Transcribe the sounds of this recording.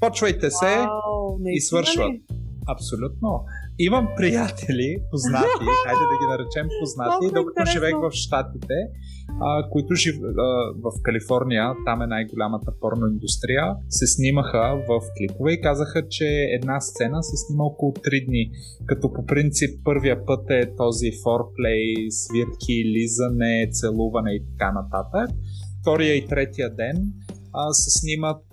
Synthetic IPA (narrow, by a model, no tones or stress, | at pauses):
pɔt͡ʃvəjt̪ɛsɛ | isvɤɾʃvət̪ | ɐpsolʲut̪no | imɐmpɾijat̪ʰɛlʲipoznat̪ixajd̪ɛd̪ɐɡʲinɐɾɛt͡ʃɛmpoznat̪iːd̪okɐ̥t̪oʒivɛxvɐfʃt̪at̪it̪ɛ | əkoit̪ʊʒivəvɐfkɐlifɔɾnʲijət̪amɛnajɡolʲamət̪əpɔɾnoind̪ust̪ɾijəsɛsniməxəvɐfklipovɛikazəxət͡ʃɛɛd̪nast̪sɛnəsɛsniməɔkolˠot̪ɾid̪ni | kɐt̪ɔpopɾint̪sipːɤɾvijəpɤt̪ɛt̪ɔzifɔɾplɛjsviɾkʲʰilizənɛt̪sɛlˠuvɐnɛit̪ɐ̥kanɐt̪at̪ək̚ft̪ɔɾijəit̪ɾɛt̪ijəd̪ɛn | əsɛsnimət̪̚